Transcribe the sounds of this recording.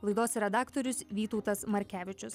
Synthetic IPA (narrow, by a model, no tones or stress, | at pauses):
lˠɐɪd̪oːsɾʲɛd̪ɑːkt̪ɔɾʲʊsʋʲiːt̪ɔʊt̪ɐsmɐɾʲkʲæːʋʲɪt͡ʃʲʊs